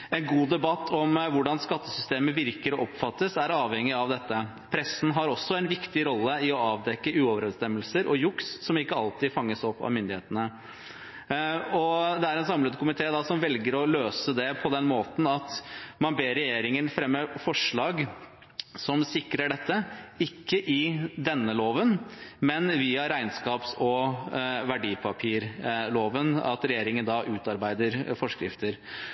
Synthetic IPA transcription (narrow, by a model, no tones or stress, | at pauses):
ɛnɡuːd̪ɛbɑt̪ʰːɔmʋʊɖɑnskɑt̪ːəsʏst̪eːməʋɪɾkəɾɔɔpfɑt̪ːəsæɾɑːʋhɛŋːɪɑʋd̪ɛt̪ːə | pʰɾɛsːn̩ɦɑɾɔsːɔɛnʋɪkt̪ɪɾɔlːəɪɔɑːʋd̪ɛkːəʉːɔʋəɾɛd̪st̪ɛmːəlsəɾʔɔjʊkssɔmɪkːəɑlt̪ɪfɑŋːəsɔpːɑ̰ʋmʏnd̪ɪeːt̪ənə | ɔd̪ɛæɾɛnsɑmləd̪kʊmɪt̪ʰeːd̪ɑsɔmʋɛlɡəɾɔløːsəd̪ɛpʰɔd̪ɛnmoːt̪n̩ɑt̪mɑnbeːɾɛjeːɾɪŋənfɾɛmːəfɔʂɭɑːɡ | sɔmsɪkɾəɖɛt̪ːəɪkːəʔɪd̪ɛnːəloːʋənmɛnʋiːɑɾæɪnskɑːpsɔ | ʋæɖiːpʰɑpʰiːɾloːʋənɑ̰t̪ɾɛjeːɾɪŋənd̪ɑʔʉːt̪ɑɾbæɪd̪əɾfɔʂkɾɪ̰ft̪əɾ